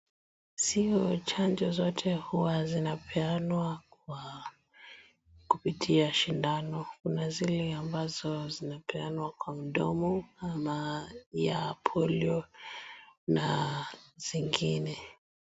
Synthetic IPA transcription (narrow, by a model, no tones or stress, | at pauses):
siɔt͡ʃand͡ʒɔzɔtʰɛhuwazinapʰɛanwakwa | kupitʰiaʃindanɔkunazilɛambazɔzinapɛanwakwam̩ɗɔ̰mɔamajaːpʰɔliɔ | na | z̥iŋɡinɛ